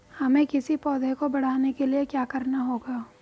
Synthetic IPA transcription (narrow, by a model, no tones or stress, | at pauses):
hɐmẽkɪsipɔːd̪ʱekobɐɽ̤aːnekeliekjaːkɐɾnaɦoːɡaː